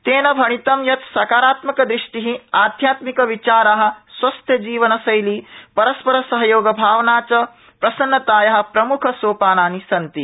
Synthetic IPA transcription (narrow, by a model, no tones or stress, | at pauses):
t̪eːnɐbʱɐɳ̃it̪ɐmjɐt̪sɐkaːɾaːt̪mɐkɐd̪ɾiʂʈiɦĩaːd̪ʱjaːt̪mikɐʋit͡ʃaːɾaɦɐ̆sʋɐst̪ʰjɐd͡ʒiːʋɐnɐsɐjliːpɐɾɐspɐɾɐsɐɦɐjoːɡɐbʱaːʋnaːt͡ʃɐ | pɾɐsɐnːɐt̪aːjɐɦɐ̆pɾɐmukʰɐsoːpaːnaːnisɐnt̪i